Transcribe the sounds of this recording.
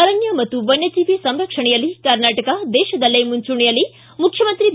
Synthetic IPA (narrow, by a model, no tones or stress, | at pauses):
ɐɾɐnjɐmɐt̪uʋɐnjɐd͡ʒiːʋisɐmɾɐkʂɐɳijɐlikɐɾnaːʈɐkad̪eːʃɐd̪ɐlːɐjmunt͡ʃuɳijɐli | mukʰjɐmɐnt̪ɾib